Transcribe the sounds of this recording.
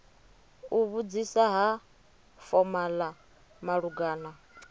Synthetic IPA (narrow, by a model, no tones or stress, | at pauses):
uβud͡zisaɦa | fɔmala | maɺuɡaːna